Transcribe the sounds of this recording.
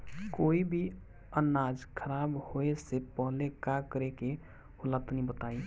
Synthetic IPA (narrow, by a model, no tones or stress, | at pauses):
koːibʱi | ənad͡ʒkʰəɾaːbhoesepəɦlekakəɾeke | ʊlat̪nĩbət̪ai